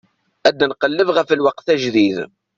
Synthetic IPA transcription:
æd̪ːnqəlːəvʁəfəlwɑqθæʒðið

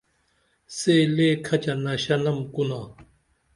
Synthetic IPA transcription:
seleːkʰɐt͡ɕanɐɕɐnɐmkuna

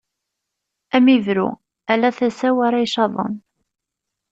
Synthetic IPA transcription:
æmiðɾṵ | ælːæθæsæwaɾajʃɑðˤə̰n

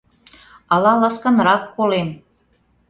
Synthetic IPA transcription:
ɑlɑlɑskɑnɾɑkːolem

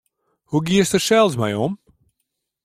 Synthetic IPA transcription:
huɡiəstəʃɛlˠzmajɔm

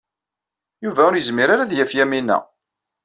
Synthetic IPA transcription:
juvæʊɾjəzmiɾaɾaðjæfjæminæ̰

